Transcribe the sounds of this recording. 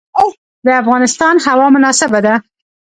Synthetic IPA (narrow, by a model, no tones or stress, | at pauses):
d̪əafɣɑnɪst̪ɑnhawɑmʊnɑsɪbad̪a